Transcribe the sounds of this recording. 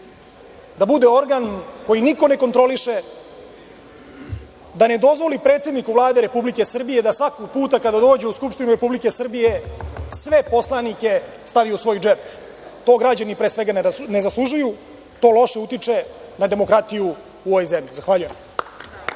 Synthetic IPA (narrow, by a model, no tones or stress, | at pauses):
d̪abud̪e̞o̞ɾɡanko̞jiniko̞ne̞ko̞nt̪ɾo̞liʃe̞ | d̪ane̞d̪o̞zʋo̞lipɾe̞ːt̪sed̪nikuvlˠaːd̪e̞ɾepublike̞sr̩bije̞d̪asʋakoɡ̚puːt̪akad̪ad̪o̞ːd͡ʑe̞uskupʃt̪inuɾe̞publike̞sr̩bije̞sʋe̞po̞slˠanike̞ | st̪aʋijusʋo̞jud͡ʒep | t̪o̞ːɡɾad͡ʑanipɾe̞ːsʋeɡanne̞zaslˠuʒuju | t̪o̞ːlo̞ʃe̞ut̪it͡ʂe̞nad̪e̞mo̞kɾat̪ijuː | oʋojzemʎizaxʋaʎujem